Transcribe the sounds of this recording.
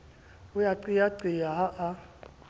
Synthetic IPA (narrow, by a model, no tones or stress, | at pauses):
ʊjaǀijaǀijahaʔa